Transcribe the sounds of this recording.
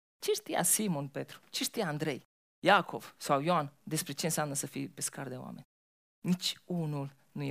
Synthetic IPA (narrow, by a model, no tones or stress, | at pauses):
t͡ʃeʃt̪ija̰simonpet̪ɾu̥t͡ʃeʃt̪ijaːnd̪ɾe̞̰j | jakʰo̞v̥sawjoand̪e̞spɾe̞t͡ʃe̞nsjamnəsəfḭpeskard̪eo̰wa̰me̞̰nʲ | nit͡ʃʲunul | nuje